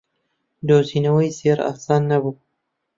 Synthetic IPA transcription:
d̪oːziːnɐwɐjzeːɾa̰sɑːnːɐbuː

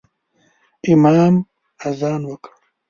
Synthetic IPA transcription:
imaːm | ɐzaːnwɐk

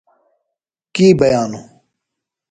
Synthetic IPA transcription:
kiːbəjaːnuː

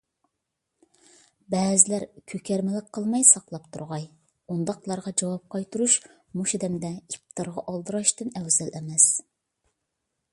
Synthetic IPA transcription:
bɛːzɪlæɾkʲʰøkʲʰɛɾmɪlɪk̚qʰːəlˠmɑjsɑqlˠɑpt̪ʰṵɾʁɑj | und̪ɑqlˠɑɾʁɑd͡ʒɑwɑp̚qʰɑjt̪ʰuɾuʃ | muʃed̪ɛmd̪ɛip̚t̪ʰɑɾʁɑʔɑlˠd̪ɨɾɑʃt̪ɨnɛwzɛlɛmɛs

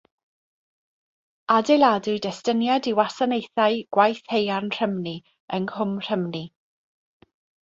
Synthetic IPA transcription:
adeladʊɨdɛstənjadiwasanejθaɨɡ̥wajθhejarnr̥əmni | əŋhʊmr̥əmni

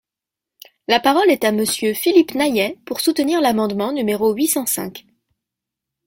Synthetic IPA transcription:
lapaʁɔlɛt̪aməsjøfilipnajɛpuʁsut̪əniʁlamɑ̃d̪mɑ̃nymeʁoɥisɑ̃sɛ̰̃k

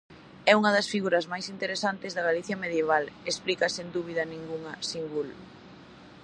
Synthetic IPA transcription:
ɛuŋɐðɐsfiɣuɾɐzmajsint̪eɾesant̪ezðɐɣaliθjameðjeβ̞alesplikɐsend̪uβ̞iðɐnĩŋɡuŋɐsiŋɡul

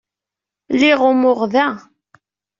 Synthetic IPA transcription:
liʁʊmʊʁðæ

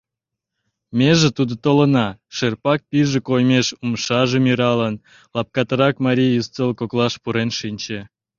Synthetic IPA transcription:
mʲeʒĕt̪ud̪ŏt̪olə̆nɑʃerpɑk̚pʲiʒĕkojmeʃumʃɑʒemʲiɾɑlən | lɑp̚kɑt̪əɾɑkmɑɾʲijjust͡s̪elˠkoklɑʃpuɾenʃinʲt͡ɕĕ

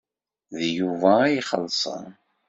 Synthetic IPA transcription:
ðjuvæjχəlsˤə̰n

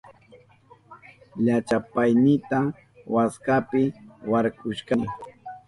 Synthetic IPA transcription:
ʎat͡ʃapajnɪt̪a | waskapɪwaɾkʊʃkaɪ

